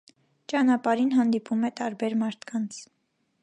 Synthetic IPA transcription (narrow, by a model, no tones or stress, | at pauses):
t͡ʃɑnɑpɑɾinɦɑnd̪ipʰumɛt̪ɑɾbɛɾmɑɾt̪ʰkʰɑnt͡sʰ